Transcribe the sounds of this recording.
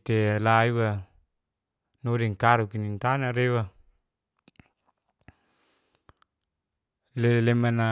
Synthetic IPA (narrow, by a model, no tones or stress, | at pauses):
t̪elaiwa | nodiŋkaɾukinint̪anaɾewa | lelemana